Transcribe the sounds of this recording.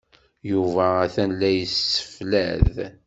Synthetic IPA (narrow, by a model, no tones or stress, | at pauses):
juvæːθænlːæjəsːə̥flæð